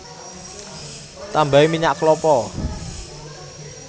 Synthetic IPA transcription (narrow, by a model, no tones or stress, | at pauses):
t̪ambaemiɲaʔklɔpɔ